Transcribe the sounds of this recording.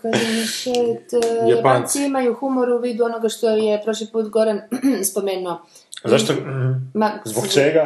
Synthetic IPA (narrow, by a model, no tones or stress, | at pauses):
kaʒemiset̪jajapant̪siimajuxumoɾuʋiːd̪uo̞noɡaʃt̪o̞jepɾoʃlipuːt̪ɡo̞ɾanspo̞meːnuo | zaʃt̪omazbokt͡ʃeɡa